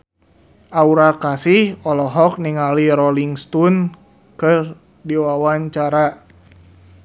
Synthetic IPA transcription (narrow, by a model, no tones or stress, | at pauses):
ʔauɾakasihɔlɔɦɔk̚niŋaliɾɔliŋst̪un | kɨr | diwawaɲt͡ʃaɾa